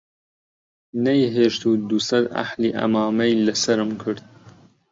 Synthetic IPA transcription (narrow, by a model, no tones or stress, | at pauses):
nejɦeːʃt̪uːd̪usɐd̪a̰ħliːʔɐ̰maːmɐjlɐsɐɾɨmkʰɨɾd̪̚